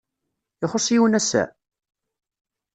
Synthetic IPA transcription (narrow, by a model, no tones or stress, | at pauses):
ɪχosˤiwənæsːæ̰